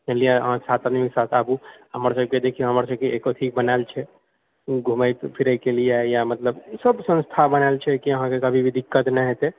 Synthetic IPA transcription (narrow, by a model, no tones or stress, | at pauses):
elijaɦãsat̪ad̪miksat̪ʰəbuɦəməɾsəb̚ked̪ekʰijoɦəməɾsəb̚keekoʈ̪ʰik̚bənaelt͡ʃʰɛ | ɡʱuməjt̪pʰiɾəjkelijaejamət̪ləbsəbsə̃nst̪ʰabənaelt͡ʃʰɛkiəɦãkekəbʱibʱid̪ikːət̪nɛɦet̪e